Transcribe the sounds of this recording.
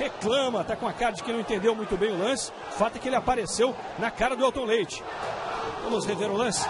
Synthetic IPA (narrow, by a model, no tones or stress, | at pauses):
heklɐ̃mɐt̪akõakaɾd͡ʒɪkɪnɐ̃wẽt̪ẽnd̪ewmũj̃t̪ʊbẽj̃ʊlɐ̃sɪ̥ | fat̪ʊɛkɪelɪapaɾesew | nɐkaɾɐd̪ʊawt̪õlejt͡ʃɪ̥ | vɐ̃mʊsheveɾʊlɐ̃sɪ̥